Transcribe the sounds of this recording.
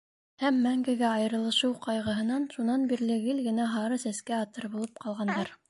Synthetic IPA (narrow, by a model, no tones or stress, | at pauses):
hæmːæŋɡɘ̆ɡæɑjɤ̆ɾɤ̆lˠɤ̆ʃɤwqʰɑjʁɤ̆ɦɤ̆nɑnʃunɑnbiɾlɘ̆ɡɘlɡɘ̆næɦɑɾɤsæskæɑt̪ɤɾbulˠɤp̚qɑlˠʁɑnd̪ɑɾ